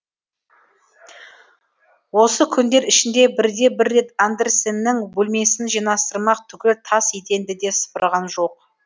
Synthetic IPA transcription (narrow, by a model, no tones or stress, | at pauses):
wo̞səkʲʰʏnd̪e̞ɾɪʃɪnd̪e̞bɪɾd̪e̞bɪɾːe̞t̪and̪eɾsenːɪŋbɵlʲme̞sɪnʒijnɑst̪əɾmɑqt̪ʰʏkʲɪt̪ʰɑsjet̪e̞nd̪ɪd̪e̞sə̥pəɾʁɑnʒo̞q̚